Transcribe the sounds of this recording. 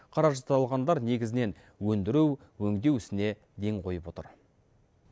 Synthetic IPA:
qʰɑɾɑʒɑt̪ɑlˠʁɑnd̪ɑɾne̞ɡʲɪzɪne̞n | wɵnd̪ɪɾuw | wɵŋd̪e̞wɪsɪne̞ | d̪e̞ŋqʰo̞jəpwo̞t̪ə̰ɾ

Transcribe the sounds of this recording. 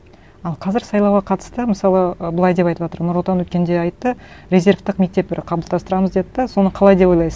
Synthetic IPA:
ɑlˠqʰɑzɪɾsɑjlˠɑwʁɑqʰɑt̪ə̥st̪əməsɑlˠəəbəlˠɑjd̪e̞pɑjt̪əpʒɑt̪əɾnʊɾlˠt̪ɑnwɵt̪kʲe̞nd̪e̞ɑjt̪ːəɾʲe̞zʲe̞ɾft̪əqme̞k̚t̪e̞p̚bɪɾqʰɑblˠd̪ɑst̪əɾɑməzd̪e̞d̪ɪd̪eso̞nəqʰɑlˠɑjd̪e̞po̞jlˠɑjsəz

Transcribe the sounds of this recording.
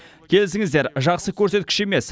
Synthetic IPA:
kʲʰe̞lɪsɪŋɪzd̪e̞ɾʒɑqsəkʲʰɵɾse̞t̪̚kʲɪ̥ʃe̞me̞s

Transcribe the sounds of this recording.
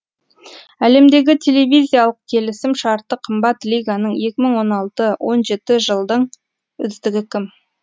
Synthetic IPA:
æle̞md̪e̞ɡʲɪt̪ʲʰe̞le̞vʲijzʲijalˠəq̚kʲʰe̞lɪsɪmʃɑɾt̪əqʰəmbɑt̪lʲijɡanəɴje̞kʲɪməɴwo̞nɑlˠt̪əwo̞nʒe̞t̪ɪʒəlˠd̪əɴ | ʏzd̪ɪɡʲɪkʲʰɪm

